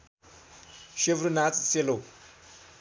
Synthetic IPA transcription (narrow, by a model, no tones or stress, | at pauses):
ʃevɾunat͡sʼselo